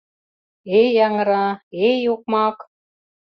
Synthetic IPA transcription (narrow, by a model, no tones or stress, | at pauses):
ejɑŋɤ̆ɾɑejuk̚mɑk